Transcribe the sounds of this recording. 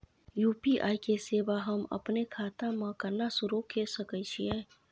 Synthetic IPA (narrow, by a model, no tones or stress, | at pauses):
juːpiʔa̰ːjkeseːʋaɦɐmɐ̰pnekʰaːt̪ãmãkəɾnasʊɾukesəkət͡ʃʰiɛː